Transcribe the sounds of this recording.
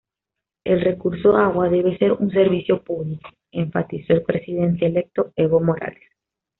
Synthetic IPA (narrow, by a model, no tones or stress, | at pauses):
e̞lre̞kuɾsoaɣwaðe̞β̞e̞se̞ɾuns̬e̞ɾβisjo̞puβliko̥ | eɱfat̪iso̞elpɾesiðe̞nt̪eːle̞k̚t̪o̞eβomo̞ɾa̰les